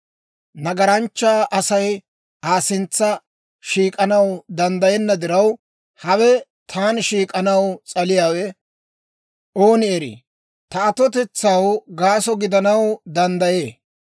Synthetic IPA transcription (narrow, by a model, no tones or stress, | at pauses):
nɐɡɐɾɐnt͡ʃːaːʔɐsɐj | aːsɪnt͡sːɐ | ʃiːkʼɐnɐwd̪ɐnd̪ɐjɛnːɐd̪ɪɾɐw | hɐwɛ | t̪ʰaːnʃiːkʼɐnɐwt͡sʼɐlɪjaːwɛ | o̞ːnɪɛɾḭː | t̪ɐːt̪ɔt̪ɛt͡sːɐwɡaːsɔɡɪd̪ɐnɐwd̪ɐnd̪ɐje̞ː